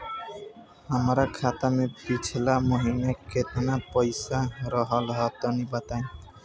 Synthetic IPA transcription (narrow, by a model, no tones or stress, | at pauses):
amɾakʰat̪amepit͡ʃʰlamoɦinaket̪ʰenapɔjsaɾɔɦɔlɦɔt̪ɔnibat̪ajn